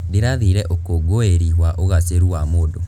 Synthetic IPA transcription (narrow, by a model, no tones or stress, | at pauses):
deɾaðiɾɛʔokoɡoeɾiɦwaʔoɣaseɾuamoːdo